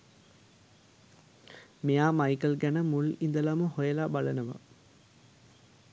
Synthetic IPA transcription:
mejaːmajkəlɡænəmulind̪əlaməhojəlabalənəʋɐ̰

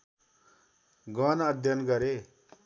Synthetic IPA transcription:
ɡʌnʌd̪ʱjʌnɡʌɾe

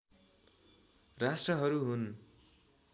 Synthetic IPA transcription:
rasʈrʌɦʌɾuɦun

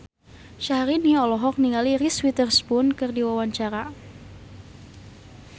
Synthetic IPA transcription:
ʃahɾiniɔlɔɦɔk̚niŋaliriswit̪ərspʊnkɨrdiwawaɲt͡ʃaɾa

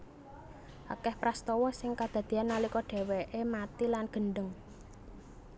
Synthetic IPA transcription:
ʔakɛhpɾast̪ɔwɔsɪŋkad̪̥ä̤d̪̥i̤anːalikɔɖ̥e̤wɛʔemat̪ilanɡ̥ə̤ɳɖəŋ

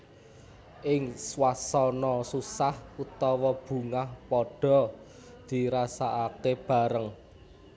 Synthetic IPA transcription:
ʔɪŋswasɔnɔsusahut̪ɔwɔb̥ṳŋahpɔɖ̥ɔ̤ | d̪̥i̤ɾasaʔakeb̥ä̤ɾəŋ

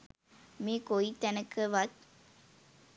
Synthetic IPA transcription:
meːkoit̪ænəkʰːəʋɐt̪̚

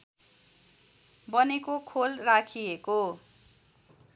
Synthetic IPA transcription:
bʌnekokʰolrakʰieko

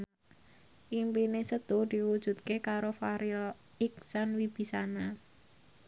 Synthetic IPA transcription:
ʔimpinesəd̪̥od̪̥i̤wud̥ʒ̥ṳt̪̚kekaɾofaɾil | ɪk̚sanwib̥i̤sana

